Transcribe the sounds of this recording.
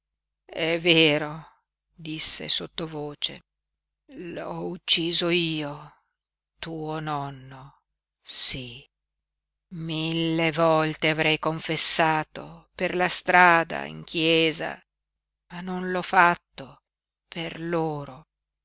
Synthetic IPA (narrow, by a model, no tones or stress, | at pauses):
ɛveːɾo | d̪isːḛsot̪ːovoːt͡ʃḛ | lɔut͡ʃːiːzoiːo | t̪uːonɔnːo | si | milːevɔlt̪eavɾɛjkoɱfesːaːt̪o̰perlast̪ɾaːd̪a̰ḭŋkʰjɛːza̰ | manonlɔfat̪ːo | perloːɾo